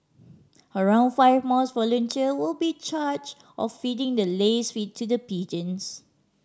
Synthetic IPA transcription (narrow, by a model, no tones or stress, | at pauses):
əɹãʊ̃ndfaɪvmɔsvɔlə̃ntʰiəwɪlbit͡ʃad͡ʒ | ʔɔ̰ffidɪ̃ŋdəlesfitʰːudəpid͡ʒə̃ns